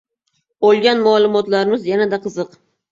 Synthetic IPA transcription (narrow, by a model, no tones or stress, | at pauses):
olˠɡʲanmʊaːlˠʊmɒt̪laɾɪmɪzjanad̪aqʰɨzɨq